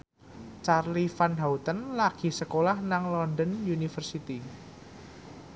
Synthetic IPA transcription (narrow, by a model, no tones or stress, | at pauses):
t͡ʃarlifanɦaut̪ənlaɡ̥i̤səkolahnaŋlɔndənjunifərsit̪i